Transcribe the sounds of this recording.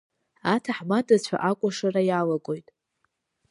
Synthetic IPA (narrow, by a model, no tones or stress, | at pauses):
atʰaħmadʼat͡ɕʷʰa̰ʔakʷʼaʂarajalaɡʼo̞jtʼ